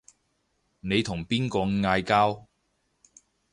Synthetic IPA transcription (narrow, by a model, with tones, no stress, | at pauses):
ne˨˧jt̪ʰʊ˨˩ŋpiː˥nkɔː˧ŋŋaː˧jkaː˥w